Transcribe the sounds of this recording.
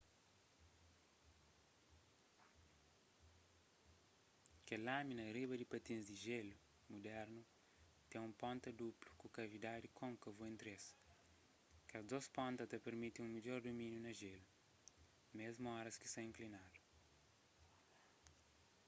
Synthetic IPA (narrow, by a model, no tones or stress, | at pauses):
kelaminɐriβɐd̪ipɐt̪ĩnzd̪iʒelu | mud̪ɛɾnu | t̪ẽũmpõnt̪ɐd̪uplu̥kukɐvid̪ad̪ikʰõŋkɐvuẽnt̪ɾes | kɐzd̪ospɔ̃nt̪ɐt̪ɐpeɾmit̪iũmiʎɔɾd̪umĩnjunɐʒelu | mezmuɔɾɐski̥sɐ̃ĩŋklinad̪u